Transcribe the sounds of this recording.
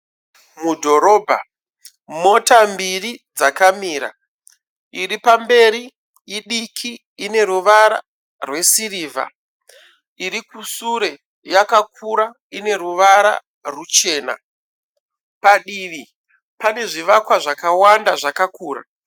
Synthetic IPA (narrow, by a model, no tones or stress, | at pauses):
mudʱo̞ɾo̞bʱa̰ | mo̞tambirid͡zakamiːɾa̰ | iɾipambe̞ɾi | iɗikʰiː | ne̞ɾuʋaɾa̰ | rwe̞siriːva̰ | iɾikusuɾe̞ | jakakʰuɾa | ine̞ɾuʋaɾa̰ | rut͡ʃe̞ːna̰ | paɗiʋi | pane̞ʐiʋakwaʐakawandaʐakakuːra̰